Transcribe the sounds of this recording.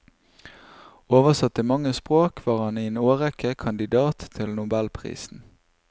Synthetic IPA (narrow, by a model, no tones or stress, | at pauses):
oːʋəsɑt̪imɑŋəspʁoːkʰʋɑːʁhɑnienoːʁɛkəkʰɑnd̪ɪd̪ɑːt̪ʰːɪlnʊbɛlpʰʁḭːsn̩